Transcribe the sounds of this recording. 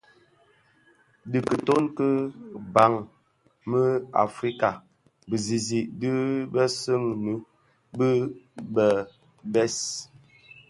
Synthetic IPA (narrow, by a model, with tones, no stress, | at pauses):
di˨kə˨to˦nkə˦ba˨˦ŋ | mə˦a̰˨fɾi˦ka˨ | bə˨zi˨zi˨ʔdə˦bə˦sə˦ŋnə˨˦ | bə˦bə˨ | bɛ˦s